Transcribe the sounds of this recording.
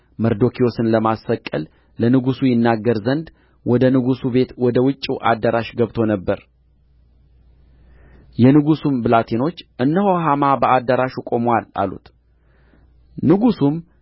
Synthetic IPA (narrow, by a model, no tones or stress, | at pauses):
məɾd̪o̞kʰijo̞sɨnləmasəkʼːə̰l | lənɨɡusujɪnːaɡːəɾzənd̪ | wɔd̪ənɨɡusube̞t̪wɔd̪əwɨt͡ʃʼːuʔa̰d̪ːəɾaʃɡəβt̪ʰo̞nəbːəɾ | jɛnɨɡusumbɨlat̪ʰeno̞t͡ʃːʔɨnːəhoɦamabəad̪ːaɾaʃukʼo̞mwala̰lṵt̪ | nɨɡusum